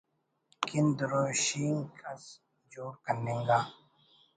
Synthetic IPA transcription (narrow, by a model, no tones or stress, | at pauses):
kind̪ɾoːɕiːŋkʰɐs | d͡ʒoːɾkɐnːẽŋɡaː